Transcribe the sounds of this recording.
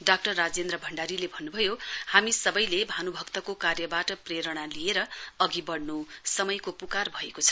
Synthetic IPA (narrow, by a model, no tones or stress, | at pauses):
ɖak̚ʈʌrːad͡zend̪ɾʌbʱʌɳɖaɾilebʱʌnːubʱʌjohamisʌbʌjlebʱanubʱʌkt̪ʌkokarjʌbaʈʌpreɾʌɽ̃alieɾʌʌɡibʌɽnusʌmʌjkopukarbʱʌekot͡sʰʌ̥